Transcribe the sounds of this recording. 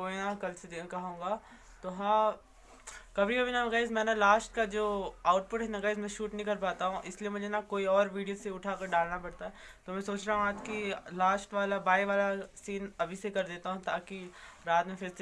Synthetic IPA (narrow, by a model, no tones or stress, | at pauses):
koːinãkɐlsed̪ekɐɦõːŋɡaː | t̪oːɦãː | kɐbɾikɐbʱinamɐɡaːɪsmɛ̃ːnalaːsʈkad͡ʒoːaːʊʈpʊʈɦɛ̃nɐɡaɪsmɛ̃ʃuːʈnəɦĩkɐɾpaːt̪aɦũʔɪsliemʊd͡ʒʱenakoːiɔːɾʋiːɖijoseʊʈʰaːkɐɾɖaːlnapɐɽt̪aɦɛt̪oːmɛ̃soːt͡ʃɾaːɦũaːt̪kilaːsʈʋaːlabaːiʋaːlasiːnɐbʱisekɐɾd̪eːt̪aɦũt̪aːki | ɾaːt̪mẽfʰɪɾs